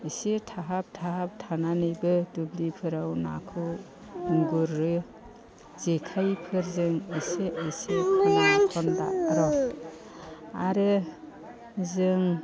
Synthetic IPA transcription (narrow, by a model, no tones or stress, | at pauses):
isetʰaɦap̚tʰaɦap̚tʰananɯjbɯdublipʰɯɾawna̰kʰɯ | ɯŋɡuɾːɯ | zekʰajpʰɯɾzɯŋiseʔːsekʰɔjankʰɔnda̰ɾɔ | aɾɯ | zɯŋ